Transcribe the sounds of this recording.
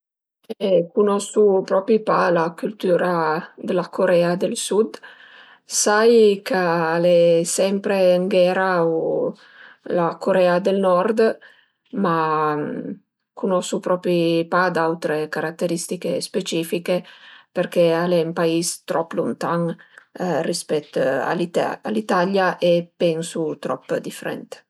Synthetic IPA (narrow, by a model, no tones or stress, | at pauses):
ekunɔsupɾɔpɾipalakylt̪uːɾad̪elakoɾɛːad̪elsud̪ | sajkaalɛsɛmpɾeŋɡɛɾao | lakoɾɛad̪elnɔrd̪ | ma | kunɔsupɾɔpɾipad̪awt̪ɾekaɾat̪ːeɾist̪ikespet͡ʃiːfikeperk̟ealɛmpaist̪ɾʔɔpːlṵnt̪aŋ | rispɛt̪ːa̰lit̪a̰lit̪aljaʔepɛnsut̪ɾɔ̰pːd̪ifeɾɛ̰nt̪